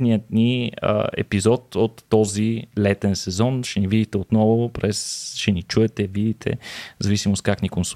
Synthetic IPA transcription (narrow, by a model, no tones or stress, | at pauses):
niət̪niə̰ɛ̰pizɔt̪ot̪ːɔzilɛt̪ɛnsɛzɔnʃɛnivid̪it̪ɛot̪nɔvʊpɾɛsʃɛnit͡ʃuɛt̪ɛvid̪it̪ʰɛ̰zɐvisimost̪̚kaknikons